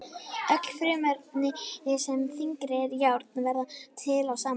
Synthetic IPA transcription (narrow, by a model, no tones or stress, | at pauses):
œkl̥fɾʏːmœɾt̪nɪsɛmθiŋkɾɪɾjawɾt̪nvɛɾðat̪ʰɪlawsaːm